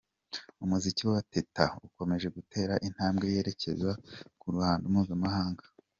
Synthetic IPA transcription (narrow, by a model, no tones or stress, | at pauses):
umuziciwewate̞tauko̞me̞ʒe̞ɡute̞ːɾaʔin̥haːmbɡe̞je̞ːɾe̞ce̞̰zwakuɾuhaːndomuːzamahaːŋɡḁ